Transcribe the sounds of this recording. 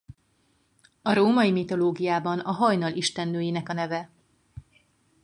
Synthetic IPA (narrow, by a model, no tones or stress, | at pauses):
ɒɾoːmɒjimit̪o̞loːɡijaːbɒnɒɦɒjnɒliʃt̪ɛnːøːjenɛkɒnɛvɛ